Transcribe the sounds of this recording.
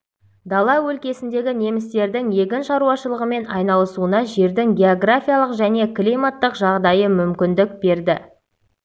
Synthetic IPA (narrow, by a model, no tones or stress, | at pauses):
d̪ɑlˠɑwɵlkʲe̞sɪnd̪e̞ɡʲɪne̞mɪst̪e̞ɾd̪ɪŋje̞ɡʲɪnʃɑɾuɑʃəlˠəʁəme̞nɑjnɑlˠəsuənɑʒe̞ɾd̪ɪŋɡʲe̞oɡrafʲijalˠəqʒæne̞klʲimat̪ːəqʒɑʁd̪ɑjəmʏmkʲɪnd̪ɪk̚be̞ɾd̪ɪ